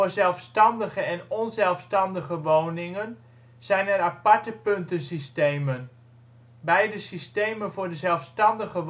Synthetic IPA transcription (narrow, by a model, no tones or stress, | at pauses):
ʊɹzɛlˠfstɑndəχəɛnɔnzɛlˠfstɑndəχəʋownɪŋən | z̥ɛjnɛɾapɑɹtəpɵntənsistejmən | bɛjdəsistejmənvʊːɹdəzɛlˠfstɑndəχəʋ